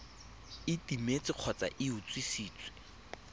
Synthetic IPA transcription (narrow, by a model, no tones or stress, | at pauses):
ɪtimet͡sʼɪq͡χʰɔt͡sʼa̰ʔɪʊt͡sʼwisiːt͡sʼwɪ̥